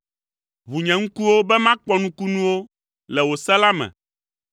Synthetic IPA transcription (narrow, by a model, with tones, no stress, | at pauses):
βu˨ɲɛ̃˨ŋ̩˦ku˦wo˦bɛ˦mã˦k͡pɔ˦nũ˦ku˦nũ˦wo˦ | lɛ˨wo˨sɛ˦la˦mɛ̰̃˨